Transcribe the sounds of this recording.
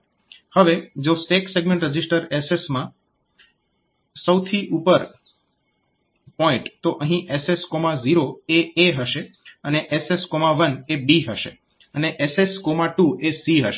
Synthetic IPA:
həʋed͡ʒosekseɡmẽɳʈɾəd͡ʒisʈəɾesesmã | səwt̪ʰiʔupəɾ | pɔɪ̃ʈt̪oʔəɦĩʔeseskomaziɾoeeɦəʃe | əneʔeseskomaʋənebiɦəʃe | əneʔeseskomaʈuesiɦəʃe

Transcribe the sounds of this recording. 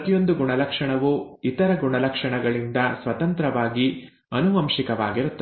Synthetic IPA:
t̪ijo̞nd̪uɡuɳɐlɐkʂɐɳɐʋuit̪ɐɾɐɡuɳɐlɐkʂɐɳɐɡɐɭind̪ɐsʋɐt̪ɐnt̪ɾɐʋaːɡi | ɐnuʋɐmʃikɐʋaːɡiɾut̪ːɐ

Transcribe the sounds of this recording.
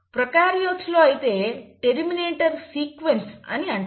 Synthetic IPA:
pɾɐkaːɾjot͡ʃːloːɐjit̪e̞ːʈeɾmineːʈɐɾsiːkʋensɐ̰niɐɳ

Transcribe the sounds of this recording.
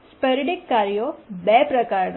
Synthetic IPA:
spəɾiɖikːaɾjobɛpɾəkaɾn

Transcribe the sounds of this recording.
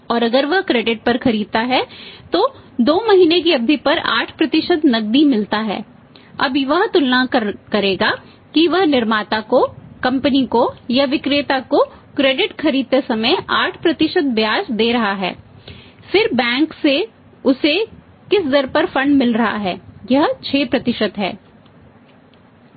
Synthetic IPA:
ɔːɾɐɡəɾʋɐɦkɾeːɖɪʈ̚pɐɾxɐɾiːd̪̚t̪aɦɛt̪oː | d̪oːmɐɦiːnek̬iɐb̚d̪ʱipɐɾa̰ːʈʰpɾɐt̪ɪʃəd̪nɐɡ̚d̪imɪlt̪aɦɛ̰ː | ɐ̰bʋɐɦt̪ʊlnakɐɾeːɡa | kiʋɐɦnɪɾmaːt̪akokɐ̃mpənikojaʋɪkɾeːt̪ako | kɾeːɖɪʈxʰɐɾiːd̪̚t̪esɐməjaːʈʰpɾɐt̪ɪʃət̪̚bjaːʃd̪eːɾɐɦaɦɛ̰ː | fɪɾbɛ̃ːŋkse | ʊse | kɪsd̪ɐɾpɐɾfɐ̃ɳɖmɪlɾɐɦa̰ɦɛːjɐɦt͡ʃʰeːpɾɐt̪ɪʃət̪ɦɛ̰ː

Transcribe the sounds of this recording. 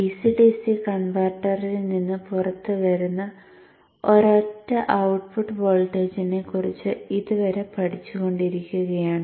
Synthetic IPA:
isiʈisikɐɳʋɐrʈːɐrilninːɨpurɐt̪ːɨʋɐɾunːɐ | o̞ɾotːɐʔɐwʈpuʈːɨʋo̞ːlʈːeːd͡ʑinekːurit͡ɕːɨiðuʋɐɾe̞pɐʈʰit͡ɕːuɣo̞ɳɖiɾikʲːuɣɐjaːɳɨ

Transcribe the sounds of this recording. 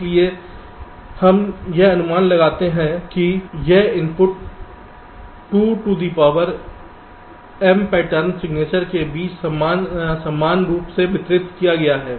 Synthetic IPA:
lie | hɐmjeɐnʊmaːnlɐɡaːt̪eɦɛ̃kijeɪ̃mpʊʈ | uːʈuːɖiːpaːʋəɾ | ɛmpɛːʈəɾnsɪɡneːt͡ʃəɾkebiːt͡ʃsɐmaːnsɐmːaːnɾuːpsebʱɪt̪ɾɪt̪kijaɡɐjaɦɛː

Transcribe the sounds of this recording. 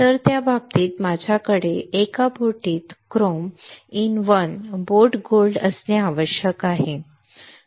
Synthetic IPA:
t̪əɾt̪jabab̚t̪iːt̪mad͡ʑʱjakəɽeekabʱoʈiːt̪kɾominʋənboɾʈɡolɖəsneaʋəɕjəkaɦe

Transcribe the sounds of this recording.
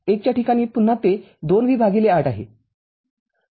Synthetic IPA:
ek̚t͡ɕjaʈikaɽ̃iːpunːat̪e | d̪onʋiːbʱaɡileaʈaɦḛ

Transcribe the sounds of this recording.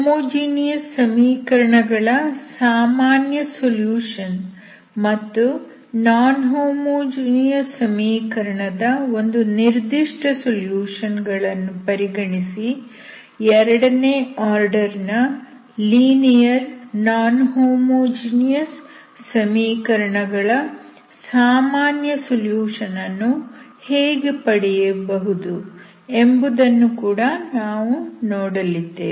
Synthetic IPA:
moːd͡ʒiːnijɐsːɐmiːkɐɾɐɳɐɡɐɭɐsaːmaːnjɐsoljuːʂɐn | mɐt̪ːu | naːnɦoːmoːd͡ʒiːnijɐsɐmiːkɐɾɐɳɐd̪ɐo̞nd̪uniɾd̪iʂʈɐsoljuːʂɐnɡɐɭɐnːupɐɾiɡɐɳisi | ɛɾɐɽɐneːaːɾɖɐɾnɐ | liːnijɐɾnaːnɦoːmoːd͡ʒiːnijɐsː | ɐmiːkɐɾɐɳɐɡɐɭɐ | saːmaːnjɐsoljuːʂɐnɐnːuheːɡepɐɽɛjɐbɐɦud̪u | e̞mbud̪ɐnːukuːɽɐnaːʋunɔːɽɐlid̪ːeː

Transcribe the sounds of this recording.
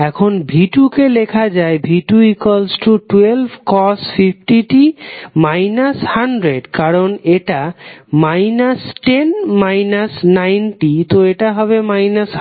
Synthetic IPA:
ɛkʰonbʱiʈukelekʰad͡ʑaebʱiʈuikalsʈuʈwelbʱkɔsfifʈiʈimajnashaɳɖɾeɖkaɾoneʈamajnasʈenmajnasnajnʈit̪oeʈaɦɔβemajnas

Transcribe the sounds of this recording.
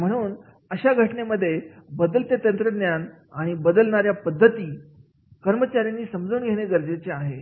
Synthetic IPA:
m̤əɽ̃uːn | əɕaɡʱəʈneməd̪ʱːjebəd̪əlt̪et̪ənt̪ɾəd̪njan | aɽ̃ibəd̪əlɳaɾjapəd̪ʱːət̪iː | kəɾmət͡ɕaɾjanːiːsəmd͡zuːnɡʱeɽ̃eɡəɾd͡zet͡seaɦe

